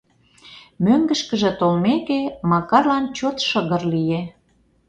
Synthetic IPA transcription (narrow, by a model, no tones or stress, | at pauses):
møŋɡə̆ʃkə̆ʒĕt̪olmekemɑkɑrlɑnt͡ɕot̪ʃəɣərlije